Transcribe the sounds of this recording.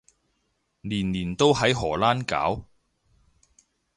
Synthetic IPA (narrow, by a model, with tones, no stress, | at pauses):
liː˨˩nliː˨˩nt̪o˥wɦɐ˨˥jɦɔː˨˩laː˥nka̰ː˨˥w